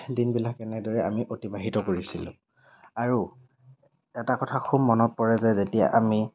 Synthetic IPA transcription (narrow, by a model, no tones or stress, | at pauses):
dinbilakɛnɛdɔɹɛa̰miʔotibaɦitɔkoɹisilʊ̰̃ | aɹu | ɛtakɔtʰaxʰumːɔnɔt̚pɔɹɛzɛzetija̰ʔami